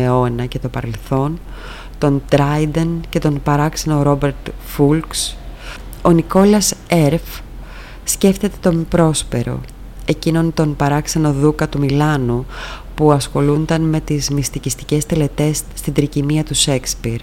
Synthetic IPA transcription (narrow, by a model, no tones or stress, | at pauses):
eo̞nɐce̞t̪o̞pɐɾe̞lθo̞n | t̪o̞nd̪ɾɐjd̪ence̞t̪o̞npɐɾɐkseno̞ɾo̞be̞ɾt̪fulks | o̞niko̞lɐseɾf | sce̞ft̪e̞t̪e̞̥t̪o̞mpɾo̞spe̞ɾo̞̰ | e̞cino̞nt̪o̞npɐɾɐkseno̞ðukɐt̪umilɐnupuɐsxo̞lund̪ɐnme̞t̪izmist̪icist̪i̥ce̞st̪ele̞t̪e̞sːt̪ind̪ɾicimiɐt̪use̞kspiɾ